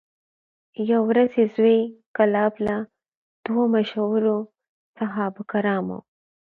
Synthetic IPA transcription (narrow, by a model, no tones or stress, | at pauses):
jawɾazezwekalɑbla | d̪̥womaʃawɾo | saɦɑbkaɾɑmo̰w